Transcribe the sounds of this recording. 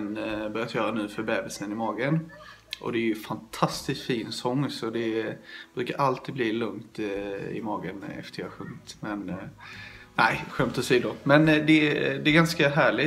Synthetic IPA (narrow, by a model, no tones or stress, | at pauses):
nbœɾjat̪ʰjœːɾanʉ̟ːfœɾbɛːbɪsənɪmɑːɡən | ʔɔ̰d̪ɛæɾjɵfant̪ʰast̪ɪst̪fiːnsɔŋːsɔd̪ɛb̥ɾʉːkaɾʔalt̪iːd̪bliːlɵŋt̪ɪ̰mɑːɡənɛ̰ft̪əɾjɑhaɧɵŋt̪mɛn | næɪɧœmt̪ɔsiːd̪ʊmɛnd̪ɛd̪ɛɛɡanskaɦæːɭɪ